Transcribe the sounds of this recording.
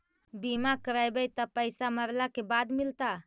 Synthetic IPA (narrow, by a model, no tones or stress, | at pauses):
bimakəɾajbejt̪əpəɪsaməɾlakebaːd̪mɪlt̪a